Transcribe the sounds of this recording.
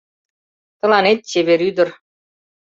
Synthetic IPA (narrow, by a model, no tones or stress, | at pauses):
t̪ɤ̆lˠɑnet̪̚t͡ɕeβeɾyd̪ɘ̆r